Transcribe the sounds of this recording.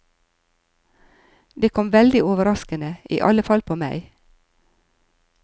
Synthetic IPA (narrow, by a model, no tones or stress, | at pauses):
d̪eːkʰɔmʋɛld̪ɪoːʋəɾɑskənəʔḭːʔɑləfɑlpʰoːmæɪ